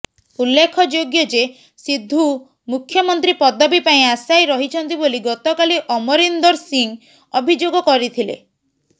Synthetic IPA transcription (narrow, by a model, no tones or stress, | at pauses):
ulːekʰɔd͡ʒoɡjɔd͡ʒe | sid̪ʱːu | mukʰjɔmɔnt̪ɾipɔd̪ɔbipaĩasajɾɔɦit͡ʃʰɔnt̪iboliɡɔt̪ɔkaliʔɔmɔɾind̪ɔɾsiŋ | ɔbʱid͡ʒoɡɔkɔɾit̪ʰilḛ